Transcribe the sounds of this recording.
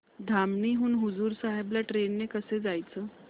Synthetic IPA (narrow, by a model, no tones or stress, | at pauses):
d̪ʱamniːɦuːnɦud͡zuːɾsaɦebljaʈɾenːekəsed͡zajt͡səː